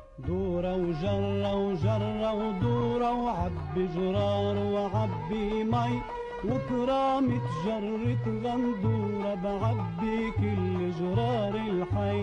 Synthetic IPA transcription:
d̪uːɾɑwʒɑrˤːawʒɑɾˤːawd̪uːɾˤɑwʕabːiʒʊɾˤɑːɾˤwɪʕabːimaj | wɪt̪ɾˤɑːmɪt̪ʒɑɾˤːɪt̪ɣand̪uːɾˤɑbɪʕabːikʊlːɪʒʊɾˤɑːɾˤɪlħa

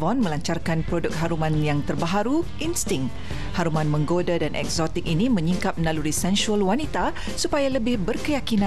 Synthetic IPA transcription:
vɔnmə̃laɲt͡ʃarkanpɾodʊk̚ɦaɾumãnjaŋt̪ərbaɦaɾu | inst̪ɪŋ | haɾumãnmə̃ŋɡodadanʔɛ̰k̚zɔt̪ɪk̚inimə̃ɲiŋkap̚mnaluɾisɛnsuəlwanit̪a | supajaləbɪhbərkəjakinã

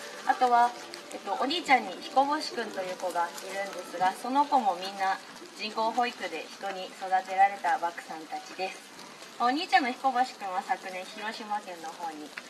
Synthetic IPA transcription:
at̪o̞βa | et̪ːo̞ʔoɲʲiːt͡ɕãɲ̟ːiçi̥ko̞bo̞ɕi̥kɯ̟̃nt̪o̞jɯ̟ːko̞ɡaiɾɯ̟̃nd̪e̞sɨɡaso̞no̞ko̞mo̞mʲĩnːa | d͡ʑĩŋko̞ːɦo̞ikɯ̟d̪e̞çi̥t̪o̞ɲ̟iso̞d̪at̪e̞ɾaɾe̞t̪abakɯ̟̥sãnt̪at͡ɕid̪e̞sɨ̥ | ooɲ̟iːt͡ɕãnːoçi̥ko̞boɕi̥kɯ̟̃ɰ̃βasakɯ̟nẽ̞ɰ̃çiɾo̞ɕimakẽ̞nːo̞ho̞ːɲ̟i

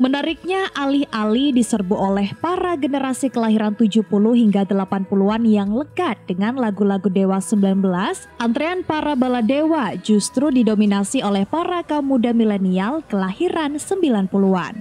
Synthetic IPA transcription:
mənaɾɪk̚ɲaʔalihʔalidisərbuolɛhpaɾaɡənəɾasikəlaɦiɾant̪ud͡ʒuhpuluhɦiŋɡadəlapanpuluanjaŋləkat̪̚d̥əŋanlaɡulaɡudewasəmbilanbəlasʔant̪ɾeanpaɾabaladewad͡ʒust̪ɾudidominasiolɛhpaɾakamudamilenialkəlahiɾansəmbilanpulua̰n

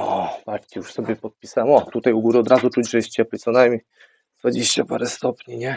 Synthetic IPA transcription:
ɔbat͡ʂt͡ɕɛjuʂsɔbʲɛpɔt̪̚pʲi̥sawɛmɔt̪ut̪ajuɡuɾɨɔd̪ɾazut͡ʂud͡ʑʐɛjɛst̪̚t͡ɕɛplit̪sɔnajmʲɲej | d̪̥vad͡ʑeɕt͡ɕapaɾɛst̪ɔpɲiɲɛ

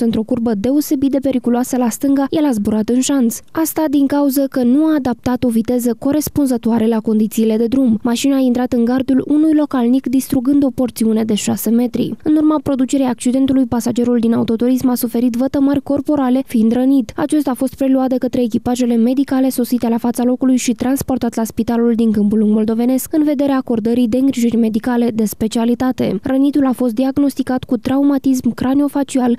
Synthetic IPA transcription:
ɨnt̪ɾo̞kurbəd̪e̞o̞se̞bit̪d̪e̞pe̞ɾikuluasəlast̪ɨŋɡaje̞lazbuɾat̪ɨnʃansast̪ad̪iŋkauzəkənuaːd̪ap̚t̪at̪o̞vit̪e̞zəko̞ɾe̞spunzət̪oaɾe̞lako̞nd̪it̪siːle̞d̪e̞d̪ɾummaʃinaːint̪ɾat̪ɨŋɡard̪ulunujlo̞kalnikd̪ist̪ɾuɡɨnd̪o̞po̞rt̪siune̞d̪e̞ʃase̞me̞t̪ɾḭɨnurmapɾo̞d̪ut͡ʃe̞ɾejak̚t͡ʃid̪e̞nt̪ulujpasad͡ʒe̞ɾuld̪inaut̪o̞t̪uɾismasufe̞ɾit̪vət̪əmərʲko̞rpo̞ɾale̞find̪ɾənit̪a̰t͡ʃe̞st̪afo̞st̪̚pɾe̞luat̪̚d̪e̞kət̪ɾe̞ːk̬ʲipaʒe̞le̞me̞d̪ikale̞so̞sit̪e̞lafat̪salo̞kulujʃit̪ɾanspo̞rt̪at̪laspit̪aluld̪iŋkɨmpuluŋɡmo̞ld̪o̞ve̞ne̞skɨnve̞d̪e̞ɾeaːko̞rd̪əɾid̪e̞ɨŋɡɾiʒirʲme̞d̪ikale̞d̪e̞spe̞t͡ʃialit̪at̪e̞̰rənit̪ulafo̞st̪d̪iaɡno̞st̪ikat̪kut̪ɾaumat̪ismkɾanio̞fat͡ʃial

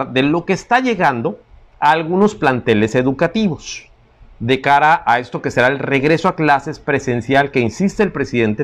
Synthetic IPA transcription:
ðe̞lo̞ke̞ːst̪aʝe̞ɣand̪o̞ | aːlɣuno̞splant̪e̞le̞se̞ðukat̪iβo̞s | d̪e̞kaɾaʔae̞st̪o̞ke̞se̞ɾaelre̞ɣɾe̞soaklase̞spɾe̞se̞nsjalke̞insist̪eːlpɾe̞siðe̞nt̪e

